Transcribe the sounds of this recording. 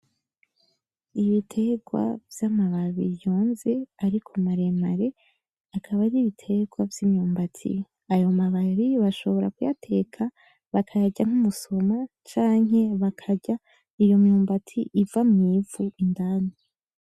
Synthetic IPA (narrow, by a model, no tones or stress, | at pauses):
iβitʰe̞ɡwa̰vjamaβaβijo̞ːnze̞aɾikʰomaɾe̞maɾe̞ | akʰaβaɾiβitʰe̞ɡwavjimɲuːmbatʰḭ | ajo̞maβaβiβaʃo̞βo̞ɾa̰kujatʰe̞kʰa | βakʰajaɟaŋ̥umuso̞ma | t͡ʃaːŋɦe̞βakʰaɟa | ijo̞mɲuːmbatʰḭʔivamŋivuʔindaːnii